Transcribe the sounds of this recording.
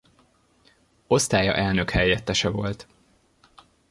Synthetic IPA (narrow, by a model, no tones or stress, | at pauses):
o̞st̪aːjɒ̰ʔɛlnø̞khɛjːɛt̪ːɛʃɛvo̞lt̪